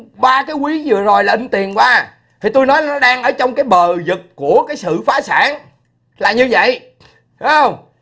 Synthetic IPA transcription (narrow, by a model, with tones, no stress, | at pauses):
ɓaː˧kaː˨˦jkwi˨˦zɨ˨˩əzo˨˩jlaː˨˩ʔi˧ŋt̪i˨˩ənkwaː˧ | t̪ʰi˨˩t̪o˧jnɔ˨˦jnɔ˨˦ɗaː˧ŋʔəː˧˩t͡ɕɔ˧wŋ͡mkaː˨˦jɓəː˨˩zɨ˨˩k̚ku˧˩əkaː˨˦jsɨ̰˧˨faː˨˦sa̰ː˧˩ŋ | laː˨˩ɲɨ˧və̰˧˨j | ɗu˨˦hə˧wŋ͡m